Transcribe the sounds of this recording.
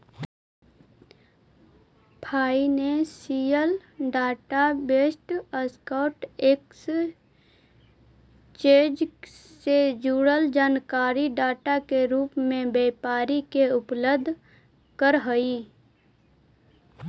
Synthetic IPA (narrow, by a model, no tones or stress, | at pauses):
bʱʰaːinesiːjəlɖaːʈabeːsʈəskɔːʈeks | t͡ʃẽːd͡ʒsed͡ʒuːɽəld͡ʒaːnkaːɾiɖaːʈakeɾuːpmẽbeːpaːɾikeʊpləbd̪ʱ | kəɾɦəi